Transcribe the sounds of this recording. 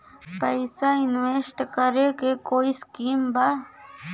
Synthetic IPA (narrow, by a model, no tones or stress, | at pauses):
pajsajnueʃt̪akaɾekekoiskimba